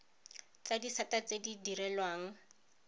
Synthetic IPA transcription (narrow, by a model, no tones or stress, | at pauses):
t͡sadisatat͡sedidiɾɛlwaːŋ̩